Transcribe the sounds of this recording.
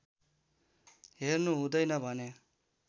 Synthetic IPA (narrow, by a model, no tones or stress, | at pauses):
ɦernuɦũd̪ʌjnʌbʱʌne